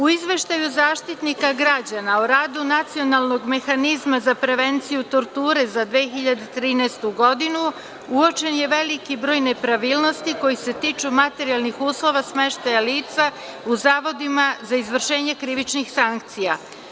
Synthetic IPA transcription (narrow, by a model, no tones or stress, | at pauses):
uizʋe̞ʃt̪ajuzaːʃt̪it̪nikaɡɾad͡ʑanaoɾaːd̪unat̪sio̞naːlˠno̞ɡme̞xanizmazapɾe̞ʋe̞nt̪sijut̪o̞ɾt̪uːɾe̞zad̪ʋeːxiʎad̪e̞t̪ɾiːnɛst̪uɡo̞d̪inu | uo̞t͡ʃe̞nje̞ʋe̞likibɾo̞ːjne̞pɾaʋiːlno̞st̪iko̞jise̞t̪iːt͡ʃumat̪e̞ɾijalˠnixuːslˠo̞ʋasme̞ʃt̪ajaliːt̪sa | uzaːʋo̞d̪imazaizʋr̩ʃe̞ːɲe̞kɾiʋit͡ʃnixsaŋkt̪sija